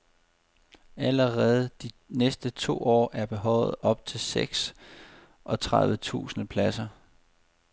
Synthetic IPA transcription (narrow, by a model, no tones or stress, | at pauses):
æləʁɛːð̞̩ˠd̥i | nesd̥ət͡sʰo̝̰ːɒ̰ːʔæɐb̥e̝ɦɒ̽ʊð̩ˠɒ̽b̥̚t͡sʰe̝lseɡ̥s | ʔɒ̽t͡sʰʁaðˠʋət͡sʰṵːsnəpʰlæsɐ